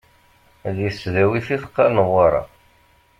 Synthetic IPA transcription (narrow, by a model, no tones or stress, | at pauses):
ðjəsːðæwiθiθqːɑnəwɑɾˤɑ̰